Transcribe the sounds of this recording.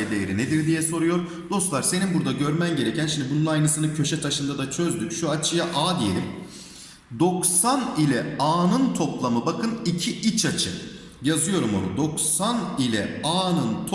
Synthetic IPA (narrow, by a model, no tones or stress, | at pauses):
d̪ejeɾined̪iɾd̪ijɛso̞ɾujo̞ɾ | d̪̥o̞st̪lˠaɾse̞ninbuɾd̪aɟøɾmænɟe̞ɾecʰænʃimd̪ibununajnɯsɯnɯcʰø̞ʃɛt̪ʰaʃɯnd̪ad̪at͡ʃʰø̞zd̪yʃuat͡ʃʰɯjaʔaːd̪ije̞lʲim | d̪o̞ksanilʲɛaːnɯnt̪ʰo̞plˠamɯbakʰɯnicʰiʔit͡ʃʰat͡ʃʰɯ | jazɯjo̞ɾumonud̪o̞ksanilʲɛaːnɯnt̪ʰ